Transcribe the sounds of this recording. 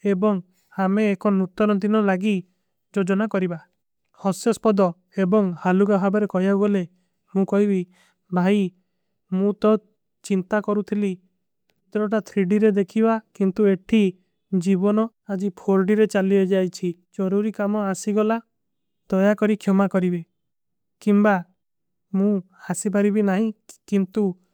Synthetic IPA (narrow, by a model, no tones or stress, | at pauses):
ebɔŋ | hameːkɔnut̪ɔɾɔd̪inɔlaɡi | d͡ʒod͡ʒɔnakɔɾiba | hɔsjɔspɔd̪ɔ | ebɔŋhaluɡabʱabɔɾekɔɦjauɡɔle | mũkɔɦibi | bʱaj | mũt̪ɔ | t͡ʃint̪akɔɾut̪ʰili | t̪ɾɔʈat̪ʰɾiɖiɾed̪ekʰibakint̪ueʈʰi | d͡ʒibɔnɔ | ad͡ʒipʰoɾɖiɾet͡ʃaliɔd͡ʒajt͡ʃʰid͡ʒɔɾuɾikamɔasiɡɔla | d̪̥ɔjakɔɾikʰjɔmakɔɾibe | kimba | mũ | hasip̬aɾibinaɦĩkint̪u